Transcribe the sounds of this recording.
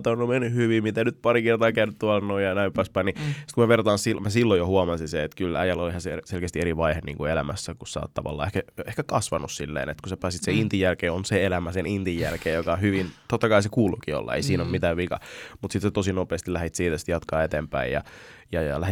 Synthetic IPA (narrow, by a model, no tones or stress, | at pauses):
t̪ɑnːomenːyhyʋimit̪ænyt̪̚pɑɾikert̪ɑːkæynyt̪t̪uɑlnoijɑnæimpæspæinisi̥t̪kumæʋert̪ɑːnsimæsilːojohuɑmɑnsinseet̪kylæ̰jælolihæsselkest̪ieɾiʋɑihenḭːŋkuelæ̰mæsːækussɑ̰ːt̪t̪ɑ̰ʋɑ̰lːɑ̰ːehkæehkækɑsʋɑnussilːḛːnḛt̪kusæpæːsit̪seint̪ijælkeːonseelæmæsenint̪ijːæ̰lkeːjjokɑhyʋint̪ot̪ːɑkɑisekuːlukio̰lːɑ̰ḛisiːnommit̪æːʋʋikɑ̰mut̪sit̪sæt̪osinopeːst̪ilæhit̪siːt̪æsi̥t̪jɑt̪kɑːet̪empæ̰ijjɑ̰jɑjɑ̰læhi